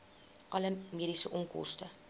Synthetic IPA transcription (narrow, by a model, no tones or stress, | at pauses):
ʔɐləmiːdisəʔɔŋkɔ̰stə